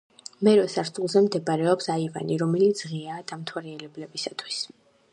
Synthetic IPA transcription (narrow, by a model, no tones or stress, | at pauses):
mɛɾɔsaɾt̪ʰʼulˠzɛmd̪ɛbaɾɛɔpsaiva̰niɾɔmɛlit̪sʰʁiaːd̪amt̪ʰwaɾiɛlɛblɛbisat̪ʰwis